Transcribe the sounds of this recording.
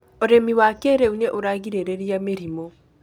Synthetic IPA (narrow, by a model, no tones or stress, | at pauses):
oɾemiwakeɾeuɲeʔoɾaɣiɾeɾeɾiameɾimo